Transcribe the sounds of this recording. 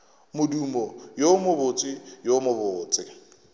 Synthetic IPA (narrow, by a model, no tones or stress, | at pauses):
mʊdumɔjomʊbʊt͡sʼɪjomʊbʊːt͡sʼɪ